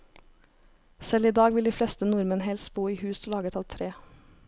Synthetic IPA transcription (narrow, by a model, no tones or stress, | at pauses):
sɛliːd̪ɑːɡʋɪld̪iːflɛst̪ənʊɾmənɦɛlst̪̚buːiːhʉːsolɑːɡət̪ʰɑlt̪ʰɾeː